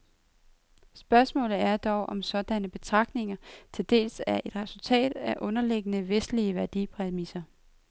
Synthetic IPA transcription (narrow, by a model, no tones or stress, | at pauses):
sb̥ɶɐsmɔ̰̽ːlð̩ˠæɐd̥ɒʊʔɒ̽msɒ̽d̥ænəb̥e̝t͡sʰʁɑ̈ɡ̥dne̝ŋɐt͡sʰe̝d̥e̝̰ːlsæʔe̝d̥ʁɛsult͡sʰɛ̰ːd̥æʔɔ̽nɐleɡ̥ənəʋesd̥liəʋæɐd̥ḭpʰʁɛmisɐ